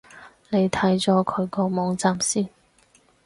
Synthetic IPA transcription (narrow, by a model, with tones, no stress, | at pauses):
ne˨˧jt̪ʰɐ˨˥jt͡sɔː˨˥kʰɵ˨˧ɥkɔː˧mɔː˨˥ŋt͡saː˨msiː˥n